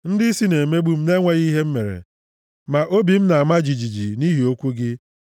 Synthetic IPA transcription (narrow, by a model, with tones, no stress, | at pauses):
n̩˦dɪ˦si˦ne˨me˦ɡ͡bu˦m̩˦ne˦ŋʷe˦ɣi˦ɦe˦m̩˦me˨ɾḛ˨ | ma˨ʔo˦bi˨m̩˦na˨a˨ma˦d͡ʒi˨d͡ʒi˨d͡ʒi˨ni˦ɦi˨o˦kʷu˦ɡɪ˦